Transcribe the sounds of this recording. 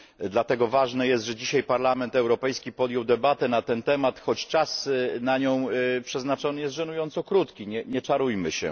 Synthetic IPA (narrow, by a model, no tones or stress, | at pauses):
d̪lat̪ɛɡɔvaʐnɛjɛst̪ʐɛd͡ʑiɕajpaɾlamɛnt̪ɛwɾɔpɛjskʲipɔd̪jɔwd̪ɛbat̪ɛnat̪ɛnt̪ɛmat̪xɔt͡ɕt͡ʂasnaɲɔ̃w̃pʂɛznat͡ʂɔnɘjɛst̪ʐɛnujɔnt̪sɔkɾut̪kʲiɲɛɲɛt͡ʂaɾujmɘɕɛ̰